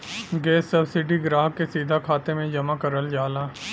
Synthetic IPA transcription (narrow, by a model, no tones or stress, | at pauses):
ɡɛːsːɐbsɪɖiɡɾaːɦkesiːd̪ʱakʰaːt̪emẽd͡ʒɐmakɐɾəld͡ʒaːlaː